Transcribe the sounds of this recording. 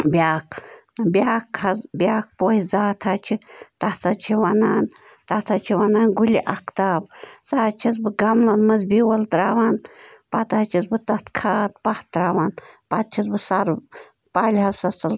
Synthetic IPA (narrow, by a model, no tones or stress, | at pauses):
bʲaːkbiaːkʰːɐzbʲjaːk̚poːhizaːt̪ʰaːt͡ʃʰit̪aht̪ɐt͡ʃʰiwɐnaːn | t̪at̪ʰat͡ʃʰiwɐnaːnɡuliʔɐkt̪aːbsaːt͡ʃʰizbɨɡɐmlɐnmɐzbiwɐlt̪ɾaːwaːnpɐt̪aːt͡ʃʰizbɨt̪ɐt̪kʰaːt̪̚pɐht̪ɾaːwaːnpɐt̪̚t͡ʃʰizbɨsɐɾ | paːlʲɦɐsɐsɐl